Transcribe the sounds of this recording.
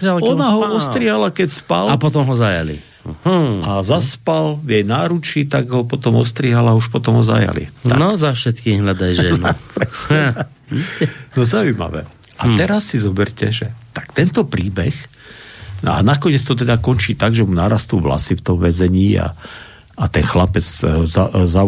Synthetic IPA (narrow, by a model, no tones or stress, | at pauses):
aɔnnaɦɔɔst̪ɾiːɦalakɛcspa̰lapɔt̪ɔmɦɔzaja̰lḭ | azaspalvjɛjnaːɾut͡ʃit̪aɡɦɔpɔt̪ɔmɔ̰st̪ɾiːɦalauʃpɔt̪ɔmɦɔza̰ja̰lḭanɔzafʃɛt̪kiːɣɦlad̪ajʒɛnupɾɛs | nɔzaujma̰ʋɛ̰ːʔat̪ɛɾasːizɔbɛɾcɛʒɛt̪ḁkt̪ɛnt̪ɔpɾiːbɛx | a̰nakɔɲɛt͡st̪ɔt̪ɛd̪akɔnt͡ʃiːt̪aɡʒɛmunaːɾast̪uːʋla̰sift̪ɔmʋɛzɛɲiːa̰ | at̪ɛnxlapɛd͡zzaza